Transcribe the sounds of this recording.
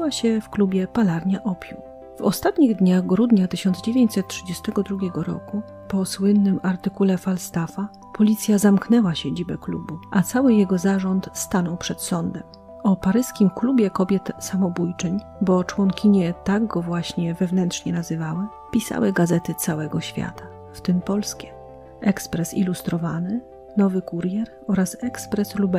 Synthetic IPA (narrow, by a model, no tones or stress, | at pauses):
waɕɛfklubʲjɛpalaɾɲaʔɔpʲjṵw | vɔ̰st̪at̪ɲiɣd̪ɲaɣɡɾud̪ɲat̪ɘɕɔnzd͡ʑevʲjeɲt͡ɕʲsɛt̪̚tʂɘd͡ʑɛst̪ɛɡɔd̪ɾuɡʲɛɡɔɾɔ̰ku | pɔswɘnːɘmaɾt̪ɘkulɛfalst̪afa | pʰɔlʲit̪sʲjazamknɛwaɕed͡ʑibɛklṵbuʔat̪sawɘjɛɡɔzaʐɔnt̪st̪anɔwpʂɛt̪sɔnd̪ɛm | ɔpaɾɘskʲimklubʲjɛkɔbʲjɛt̪samɔbujt͡ʂɛɲ | bɔt͡ʂwɔŋkʲʰiɲɛt̪aɡɡɔvwaɕɲɛvɛvnɛntʂɲɛnazɘvawɛ | pʲisa̰wɘɡazɛt̪ɘt̪sawɛɡɔɕfʲja̰t̪a | ft̪ɘmpɔlskʲɛ | ʔɛkspɾɛsḭlust̪ɾɔvanɘ | nɔvɘkuɾjɛɾ | ɔɾasɛkspɾɛslubɛ